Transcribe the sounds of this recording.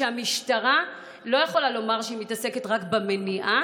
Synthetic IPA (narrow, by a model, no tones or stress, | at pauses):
eamiʃtaʁa | lo̞jeχo̞lalo̞maʁʃeimitase̞ke̞tʁakbemeniʔa